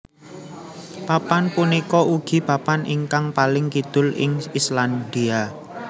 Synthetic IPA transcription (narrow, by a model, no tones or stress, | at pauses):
papanpunikɔʔuɡ̥i̤papanʔiŋkaŋpalɪŋkid̪̥ʊ̤lɪ̰ŋisland̪ia